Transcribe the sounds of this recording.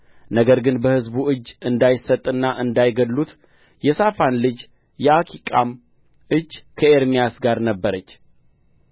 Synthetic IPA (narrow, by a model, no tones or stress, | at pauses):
nəɡəɾɡɨnbəhɨzbuɨd͡ʒːɨnd̪ajɪsːət̪ʼːɨnːaʔɨnd̪ajɡəd̪lut̪ | jɛsafanlɨd͡ʒ | jɛakʰikʼam | ɨd͡ʒːkʰəe̞ɾmijasɡaɾnəbːəɾət͡ʃː